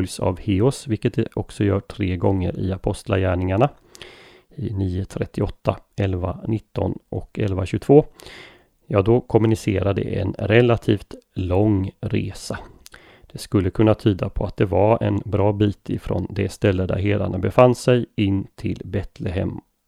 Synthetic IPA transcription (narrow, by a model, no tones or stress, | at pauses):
lsa̰vheːʊsvɪlkət̪̚d̪ɛʔɔksɔjœːʈʰɾeːɡɔŋːə̰ɾɪapʰɔst̪la̰jæːɳɪŋaɳa | ɪniːʊt̪ʰɾɛt̪ːɪɔt̪ːaɛlvanɪt̪ːɔ̰nʔɔkɛlvaɕʉɡt̪voː | jɑːd̪ɔkʰɔmːɵnɪseːɾad̪ɛ̰ʔɛ̰nɾɛlːat̪ʰiːft̪lɔŋɾeːsa | d̪̥ɛskɵlːəkʰɵnːat̪ʰyːd̪apʰɔat̪̚d̪ɛvaɾɛnbɾɑːbiːt̪ɪfɾɔ̰nd̪ɛst̪ɛlːəd̪æ̰ɾɦeːd̪a̰ɳabɛfanːsɛjɪnːt̪ʰɪlbɛt̪lɛɦɛ̰m